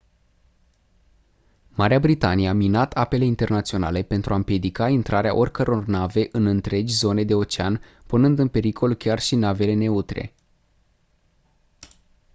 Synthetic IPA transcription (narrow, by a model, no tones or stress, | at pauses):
maɾeabɾit̪anijeaminat̪ʰape̞le̞int̪e̞rnat̪sio̞nale̞pe̞nt̪ɾuaɨmpje̞d̪ikaint̪ɾʔaɾea̰ʔo̞rʲkəɾo̞rnave̞ʔɨnɨnt̪ɾe̞d͡ʒʲzo̞ne̞d̪e̞o̞t͡ʃeanpunɨnd̪ɨnpe̞ɾikʰo̞lkʲarʃinave̞le̞ne̞ut̪ɾe̞̰